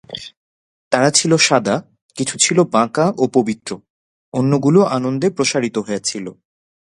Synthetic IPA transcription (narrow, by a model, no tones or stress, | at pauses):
t̪aɾat͡ɕʰiloʃad̪a | kit͡ɕʰu̥t͡ɕʰilobãkaʔopobit̪ɾo | onːoɡuloʔanond̪epɾoʃaɾit̪oɦoeat͡ɕʰilo